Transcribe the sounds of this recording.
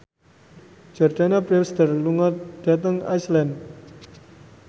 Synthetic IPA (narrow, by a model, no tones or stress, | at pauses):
d͡ʒ̥ɔrd̪̥anapɾɛwsd̪ərluŋɔt̪̚d̪̥a̤t̪̬əŋa̰jslɛnd